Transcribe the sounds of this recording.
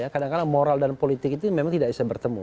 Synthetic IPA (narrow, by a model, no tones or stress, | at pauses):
jakadaŋkalamoɾaldanpolit̪ɪkit̪umemaŋt̪idaʔ̚bisabərt̪əmṵ